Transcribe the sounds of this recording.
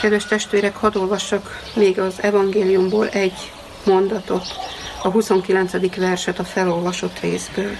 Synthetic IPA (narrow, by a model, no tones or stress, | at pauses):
kɛd̪vɛʃt̪ɛʃt̪ʋeːɾɛkhɒd̪o̞lvɒʃːɒk | meːɡɒzɛvɒŋɡeːlijumboːlʔɛɟː | mo̞nd̪ɒt̪o̞t̪ɒɦuso̞ŋkilɛnt̪sɛd̪ikʋɛrʃɛt̪ɒfɛlo̞lvɒʃo̞t̪rḛːzbøːl